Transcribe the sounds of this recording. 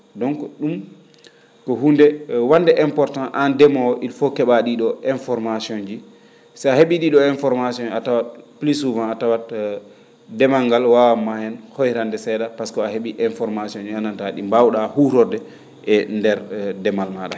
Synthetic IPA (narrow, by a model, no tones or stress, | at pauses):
dɔŋkɔɗum | kɔɦundɛwandɛʔɛmpɔɾtãnʔandɛmawɔʔilfɔkɛɓaɗiɗɔɛnfɔɾmasiɔnd͡ʒi | saaheɓiɗiɗɔɛnfɔɾmasiɔnatawatplisuvãnatawat | dɛmaŋɡalwawamahɛnhɔjɾandɛsɛɗapaskɔaheɓiʔɛnfɔɾmasiɔnd͡ʒianantaɗḭmbawɗahuɾɔɾdɛ | ɛndɛɾdɛmalmaɗa̰